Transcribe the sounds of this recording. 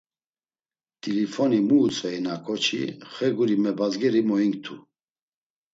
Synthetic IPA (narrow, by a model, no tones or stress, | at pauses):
t̪ʼilifɔnimuːt͡sʼvɛinakʼɔt͡ʃʰḭχɛɡuɾimɛbazɡɛɾimɔiŋkt̪ʰṵ